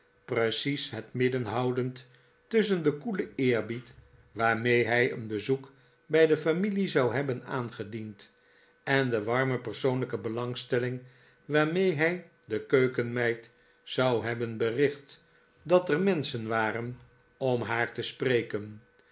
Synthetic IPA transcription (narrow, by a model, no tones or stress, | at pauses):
prəsisɦətmɪdənɦɑwdənt | tɵsəndəkuləɪːɹbit | ʋaːɹmejɦɛjə̰nbəzuk | bɛjdəfamilizɑwɦɛbəna̰ːnχədint | ɛndəʋɑɹməpəɹsownləkəbəlɑŋstɛlɪŋ | ʋaːɹmejɦɛj | dəkøɥkənmɛjt | zɑwɦɛbənbərɪχt | dɑtɛrmɛnsənʋaːrən | ɔmɦaːɹtəsprejkən